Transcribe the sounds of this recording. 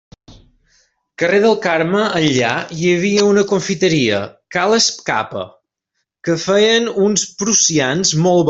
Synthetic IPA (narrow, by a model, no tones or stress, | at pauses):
kəreðəlˠkaɾməʔːnʎa̰jəβiəunəkuɱfit̪əɾiə̰kaləsp̚ka̰pə̰ | kəfɛjənunspɾusianzmɔlˠβ